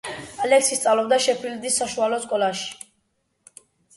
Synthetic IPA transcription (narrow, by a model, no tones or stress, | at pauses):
alɛksist̪sʼavlɔbd̪aʃɛpʰild̪isːaʃualɔskʼɔlaʃi̥